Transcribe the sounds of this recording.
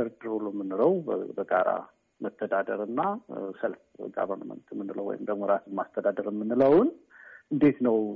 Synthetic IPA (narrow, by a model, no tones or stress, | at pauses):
əɾd̪ɨɾulomːɨnːɨɾəwbəɡaɾa̰ | məst̪ʰəd̪ad̪əɾɨnːasəlfɡa̰βənəmə̰nt̪ʰmːɨnːɨlə̰wːɔ̰jɪ̰md̪əɡmoɾat̪mast̪ʰəd̪ad̪əɾɪmːɨnːɨləwʊn | ʔɨnd̪e̞t̪nəw